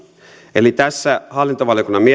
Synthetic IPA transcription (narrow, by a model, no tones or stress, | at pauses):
e̞lit̪æsːæhɑlːint̪oʋɑljokunːɑmie